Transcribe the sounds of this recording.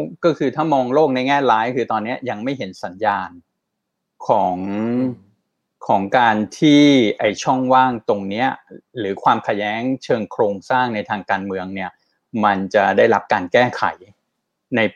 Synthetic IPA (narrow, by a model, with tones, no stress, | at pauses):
kɔː˥˩kʰɯː˧t̪ʰaː˥˩mɔː˧ŋloː˥˩k̚na˧jŋɛː˥˩laː˦˥jkʰɯː˧t̪ɔː˧nːi˦˥ɐja˧ŋma˥˩jɦe˩˦nsa˩˦njaː˧n | kʰɔː˩˦ŋ | kʰɔː˩˦ŋkaː˧nt̪ʰiː˥˩ʔa˧jt͡ɕʰɔ˥˩ŋwaː˥˩ŋt̪o˧ŋni˦˥ɐɾɯː˩˦kʰwaː˧mkʰa˧jɛː˦˥ŋt͡ɕʰɤː˧ŋkʰɾoː˧ŋsaː˥˩ŋna˧jt̪ʰaː˧ŋkaː˧nmɯ˧əŋni˥˩ɐ | ma˧nt͡ɕa˨˩daː˥˩jɾa˦˥p̚kaː˧nkɛː˥˩kʰa̰˨˩˦j | na˧j